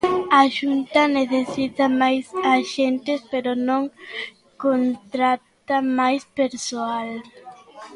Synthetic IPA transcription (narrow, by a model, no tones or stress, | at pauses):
aʃunt̪ɐneθesit̪amajsaʃent̪ɪspeɾonõŋ | kont̪ɾat̪amajspeɾsoal